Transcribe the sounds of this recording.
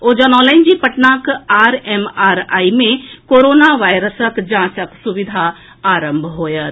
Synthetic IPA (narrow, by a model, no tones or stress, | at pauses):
od͡ʒənɔlə̃ɪnd͡ʒipəʈnakaːɾemaːɾaːimẽkoːɾoːnaʋaːjɾəsəkd͡ʒãːsəksuʋid̪ʱaː | ɾəmbʱɦoːjət̪